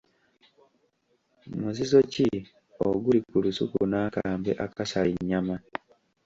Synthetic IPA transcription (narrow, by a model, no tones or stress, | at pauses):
muzizo̞ci | oɡulikulusukunaːkaːmbe̞ʔakasaliɲːama